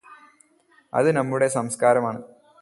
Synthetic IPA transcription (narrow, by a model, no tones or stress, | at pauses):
ɐ̰ðɨnɐmːuɽe̞sɐmskaːɾɐmaːɳɨ